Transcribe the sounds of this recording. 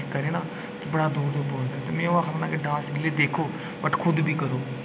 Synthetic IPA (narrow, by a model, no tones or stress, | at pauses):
kəɾeːnaː | t̪obəɽaːd̪ʊːd̪opoːd͡ʒd̪aːt̪eːmɛ̃ːoaːxəlnãːkɪɖaːsɡɪleːd̪eːkʰoː | bəʈkʰʊd̪bʱiːkəɾoː